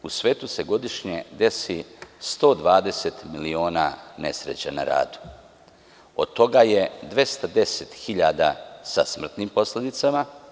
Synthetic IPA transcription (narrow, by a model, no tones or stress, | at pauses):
usʋeːt̪use̞ɡo̞d̪iʃɲed̪e̞sist̪o̞ːd̪ʋaːd̪e̞set̪milio̞ːnane̞sɾet͡ɕa̰na̰ɾa̰ːd̪u̥ | o̰d̪̚t̪ːo̞ɡaje̞d̪ʋe̞st̪ad̪e̞set̪xiʎaːd̪asa̰smr̩t̪niːmpo̞sled̪it̪sama